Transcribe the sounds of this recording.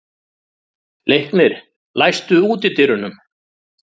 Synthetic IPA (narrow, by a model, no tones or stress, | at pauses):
lejhknɪɾ̥ | lajst̪ʏuːt̪ɪt̪ɪɾʏnʏm